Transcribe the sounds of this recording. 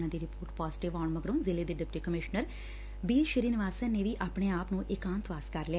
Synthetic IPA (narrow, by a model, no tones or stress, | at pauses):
ãːd̪iːɾɪpoːɾʈpaːzʈɪʋaːɳməɡɾõːnzɪleːd̪eːɖɪp̚ʈiːkəmɪʃnəɾ | biːʃəɾiːnɪʋaːsaːneːʋiːʔaːpɽeːaːpnũːʔɪkãːnt̪ʰʋaːskəɾlɪɛː